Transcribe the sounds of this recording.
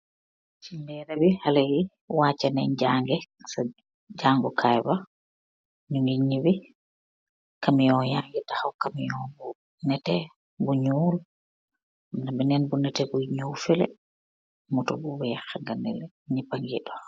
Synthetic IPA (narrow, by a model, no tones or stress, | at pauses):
simbɛɾabihalaji | waːt͡ʃanɛɲd͡ʒaŋɡɛsa | d͡ʒaŋɡɔkʰajba | ɲuŋɡiɲibi | kamijɔjaŋɡɛtahawkamijɔbɔ | nɛtɛ | buɲul | nabɛnɛnbunɛtɛbuɲuːfɛlɛ̰ | mutɔbuwɛxaŋɡanɛlɛ | ɲipaŋɡḭɗɔ